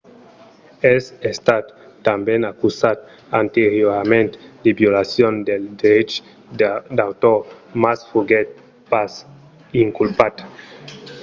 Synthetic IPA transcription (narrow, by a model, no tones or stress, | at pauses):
ɛsest̪at̪ː | ambɛnakusat̪̚ | ant̪eɾjoɾamẽnt̪d̪ebjolasjond̪eld̪eɾet͡ʃ | d̪awt̪omasfuɡɛt̪̚ | pas | iŋkulpat̪